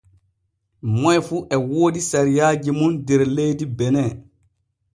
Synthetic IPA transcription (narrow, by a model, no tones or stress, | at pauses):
mɔjfuːʔɛwoːdisaɾijaːd͡ʒimundɛɾlejdibɛnɛ